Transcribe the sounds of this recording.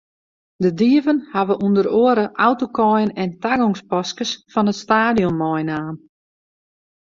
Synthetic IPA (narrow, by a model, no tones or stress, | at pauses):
dədiəvənhaʋəʔundəɾoəɾəʔawtokɔjənɛntaɡɔŋspɔskəsfɔnətstaːdijɔnːɔjnaːn